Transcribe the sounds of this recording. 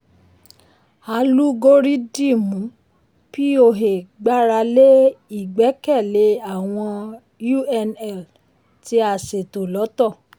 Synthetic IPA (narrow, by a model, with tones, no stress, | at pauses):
a˧lu˦ɡo˦ɾi˦di˦˨mũ˨˦ | ki˦o˧ɦe˨ɡ͡ba˦ɾa˧le˦i˦˨ɡ͡bɛ˨˦kɛ˦˨le˨˦a˦˨w̃ɔ̃˧ | ju˦˨ɛ˧nɛ˨l | ti˧˦a˨se˨to˨lɔ˨˦tɔ˦˨